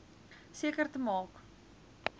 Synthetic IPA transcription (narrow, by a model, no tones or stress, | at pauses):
siəkərtəmɑːk